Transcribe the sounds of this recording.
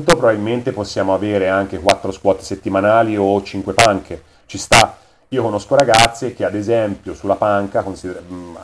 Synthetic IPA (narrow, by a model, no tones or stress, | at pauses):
t̪opɾobabilment̪eposːjaːmoaveːɾeaŋk̟ekwat̪ːɾoskwɔːt̪e̥set̪ːimanaːliot͡ʃiŋkwepaŋkʰe | t͡ʃist̪a | iːokonoskoɾaɡat̪sːek̟ead̪ezɛmpjosulːapaŋkakonsid̪e